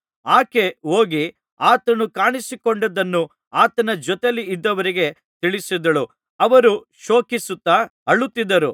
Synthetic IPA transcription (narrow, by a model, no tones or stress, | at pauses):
aːke̞oːɡi | aːt̪ɐnukaːɳisikoɳɖɐd̪ɐnːu | aːt̪ɐnɐd͡ʒɔt̪eliːd̪ːɐʋɐɾiɡe̞ | t̪iɭisid̪ɐɭu | ɐʋɐɾu | ʃo̞ːkisut̪ːɐɐɭut̪ːid̪ɐɾu